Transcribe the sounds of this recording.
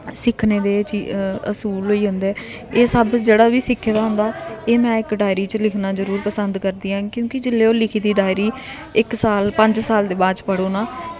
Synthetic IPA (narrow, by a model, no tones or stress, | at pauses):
sɪkʰneːd̪eːt͡ʃiəsuːlɦoːiːɦʊ̃nd̪ɛː | eːsəbd͡ʒeːɽaːʋiːsɪkʰːeːd̪aːɦʊ̃nd̪aːeːmɛ̃ːɪkɖaːɪɾiːt͡ʃəlɪkʰnaːzəɾuːɾpəsənd̪kəɾd̪iːãːkjõːkɪd͡ʒɪlːeːoːlɪkʰiːd̪iːɖaːɪɾiː | ɪksaːlpə̃ɲd͡ʒsaːld̪eːbaːd͡ʒpəɽoːnaː